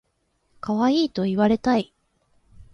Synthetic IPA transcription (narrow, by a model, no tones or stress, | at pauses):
kaβaiːt̪o̞iβaɾe̞t̪ai